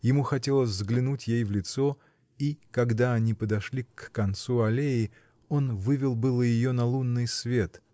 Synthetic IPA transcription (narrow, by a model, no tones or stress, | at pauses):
jɪmuxɐtʲe̞lˠəsʲzɡlʲɪnutʲjejvlʲɪt̪so̞ | ikɐɡd̪aɐnʲipəd̪ɐʂlʲikːɐnt̪suɐlʲejɪ | o̞nvɨvʲɪlˠbɨlˠəjɪjo̞nɐlˠunːɨjsvʲe̞t̪